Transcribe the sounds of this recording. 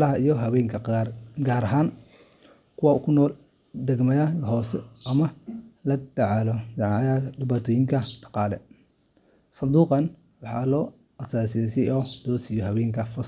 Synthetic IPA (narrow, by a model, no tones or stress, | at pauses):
lɐɦɐijɔɦɐβɛːŋkʰɐɡaːɾɐɦaːn | kʰʊwaːkʰʊnɔːl | d̪ɛɡmɐðɐɦɔːsɛʔɐmɐlɐd̪ɐʕɑlɔd̪ɑʕjɐɖɪβaːt̪ʰɔːjɪŋkʰɐɖɑqɑːlɛ | sɐnd̪uːqɑn | wɑħɑ̰lɔː | ʔɐsaːsɪjɛsɪʔɔːd̪̥ɔːsɪjɔɦɐβɛːŋkʰɐfɔs